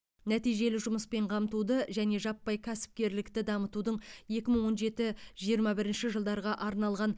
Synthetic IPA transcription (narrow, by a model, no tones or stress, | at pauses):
næt̪ijʒe̞lɪʒʊməspe̞ɴqʰɑmt̪ud̪əʒæne̞ʒɑpːɑjkʲʰæsɪ̥p̚kʲe̞ɾlɪkt̪ɪd̪ɑmət̪ud̪əɴje̞kʲɪməɴwo̞nʒe̞t̪ɪʒ̥ijəɾmɑbɪɾɪnʃɪʒəlˠd̪ɑɾʁɑʔɑɾnɑlˠʁɑn